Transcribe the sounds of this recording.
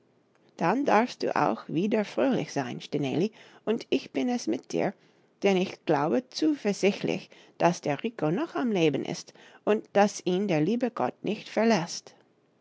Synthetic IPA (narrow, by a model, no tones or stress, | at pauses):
d̥andaɐfst̚d̥ṵːʔa̰ʊxv̥iːdɐfʁ̥øːlɪ̰çz̥aɪnʃtɛnḛːliʔʊntʰɪçb̥ɪnɛsmɪt̚d̥ḭːɐ | d̥ɛnɪçɡ̥laʊbət͡suːfɛɐz̥ɪçtlɪ̰ç | d̥asd̥eːɐʁiːkʰonɔxamleːbən̩ʔɪ̰stʔʊntd̥asiːndeːɐliːbəɡɔ̰t̚nʔɪçtfɛɐlɛst